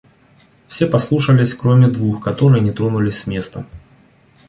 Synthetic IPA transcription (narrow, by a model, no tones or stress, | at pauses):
fsʲepɐslˠuʂəlʲɪsʲkɾomʲɪd̪vuxkɐt̪oɾɨjənʲɪt̪ɾonulʲɪsʲmʲest̪ə